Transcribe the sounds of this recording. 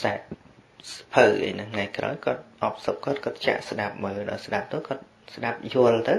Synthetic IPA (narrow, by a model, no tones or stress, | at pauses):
saɛt̪̚spʰəwʔə̰jnɨŋŋajkra̰ɔjkŏət̪̚ʔɑp̚səp̚kŏət̪̚kŏət̪̚t͡ɕa̰ʔsɗap̚məːlɗa̰ɔjsɗap̚t̪ŏəkŏət̪̚ | sɗap̚juəlt̪ɨw